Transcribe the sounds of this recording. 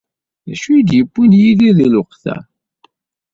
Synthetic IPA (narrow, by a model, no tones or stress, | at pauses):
ðæʃujid̪jəbʷːinjiliðilʊqθæ̰